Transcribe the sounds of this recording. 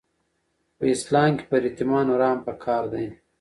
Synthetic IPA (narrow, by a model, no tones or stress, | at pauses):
pəislɑːmki̥pɐɾit̪imɑːnɾɑːmpəkʰɑːɾd̪aj